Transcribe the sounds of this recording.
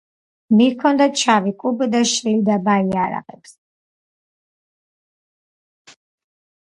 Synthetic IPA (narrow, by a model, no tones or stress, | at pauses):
miɾkʰɔnd̪at͡ʃʰavikʼubd̪aʃɾilid̪abaiaɾa̰ʁɛ̰ps